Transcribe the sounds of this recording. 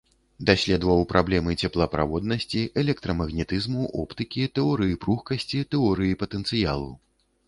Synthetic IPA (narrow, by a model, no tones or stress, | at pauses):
d̪asʲlʲɛd̪vɐwpɾʔablʲɛmɨt͡sʲɛplˠɐpɾa̰vɔd̪nɐsʲt͡sʲiɛlʲɛk̚t̪ɾɐmɐɣnʲɛt̪ɨzmuʔɔpt̪ɨkʲit̪ɛɔɾɨjipɾuxkɐsʲt͡sʲit̪ɛɔɾɨjipɐt̪ɛnt̪sɨja̰lˠṵ